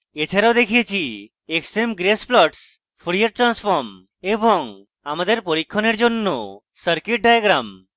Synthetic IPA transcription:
et͡ʃʰaɾawd̪ekʰijet͡ʃʰi | eksemɡɾesplɔʈs | pʰɾiaɾʈɾanspʰɔɾm | eboŋ | amad̪eɾpoɾikʰːɔneɾd͡ʒonːo̰ | səɾkiʈ̚ɖajaɡɾam

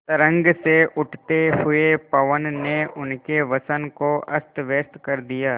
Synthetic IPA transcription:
t̪əɾə̃ŋɡseʔʊʈʰt̪eɦʊepɐʋənːeʔʊnkeʋɐsənkoʔɐst̪ʋeːst̪kɐɾd̪ijaː

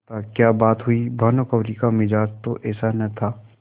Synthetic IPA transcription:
t̪akjaːbaːt̪ɦʊibʱɐːnokɐʋɾiːkamɪd͡ʒaːd͡ʒt̪oʔɛːsanɐt̪ʰaː

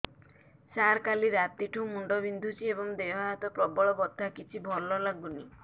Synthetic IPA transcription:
saɾkaliɾat̪iʈʰumuɳɖɔbind̪ʱut͡ʃʰiebɔŋd̪eɦaɦat̪ɔpɾɔbɔɭɔbɔd̪ʱakit͡ʃʰibʱɔlɔlaɡuni

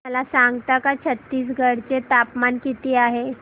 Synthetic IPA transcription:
əlasaŋɡt̪akat͡ɕʰət̪ːiːs̬ɡʱəɽt͡ɕet̪apmankit̪iːaɦe

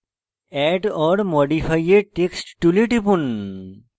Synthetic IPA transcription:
ɛʈɔɽmoɖipʰajeʈeksʈʈuliʈipun

